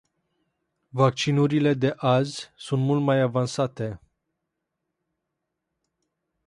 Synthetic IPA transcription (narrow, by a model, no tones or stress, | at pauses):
vak̚t͡ʃinuɾile̞d̪e̞ʔazʲsunt̪mult̪majavansat̪e̞